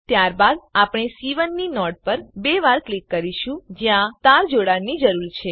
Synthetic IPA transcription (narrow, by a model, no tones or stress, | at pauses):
t̪jaɾbad̪̚apɳ̃esiʋənːinɔʈ̚pəɾbeʋaɾklikːəɾiʃũd͡ʒjãt̪aɾd͡ʒoɽanid͡ʒəɾuɾt͡ʃʰe